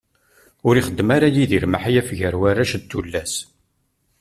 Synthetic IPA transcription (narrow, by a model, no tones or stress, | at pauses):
ʊɾiχəd̪ːmaɾajiðiɾmaħajæfʝəɾwarːæʃt̪ːulːæs